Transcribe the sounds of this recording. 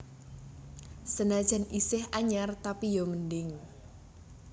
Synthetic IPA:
sənad̥ʒ̥a̤nʔisɪhaɲart̪apijɔməndɪŋ

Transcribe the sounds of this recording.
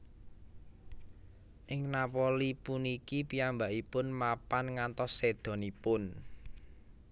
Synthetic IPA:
ʔɪŋnapɔlipunikipiambaʔipʊnmapanŋant̪ɔsːed̪̥ɔ̤nipʊn

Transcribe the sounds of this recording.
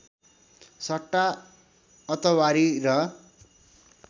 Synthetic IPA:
sʌʈːa | ʌt̪ʌwaɾirʌ

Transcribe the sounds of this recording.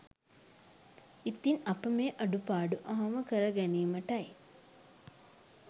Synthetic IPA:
it̪ːinɐpəmeːʔɐɖupaːɖuʔɐɦɐməkəɾɐɡæniːməʈɐj

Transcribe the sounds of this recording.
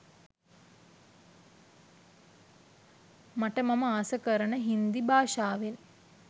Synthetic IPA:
maʈəmaməaːsəkəɾənəɦind̪ibaːʃaːʋel

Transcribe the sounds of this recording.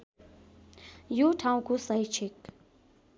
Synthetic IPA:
joʈʰaw̃kosʌjt͡ʃʰik

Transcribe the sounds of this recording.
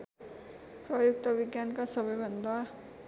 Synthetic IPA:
prʌjukt̪ʌbiɡjankasʌbʌjbʱʌnd̪a

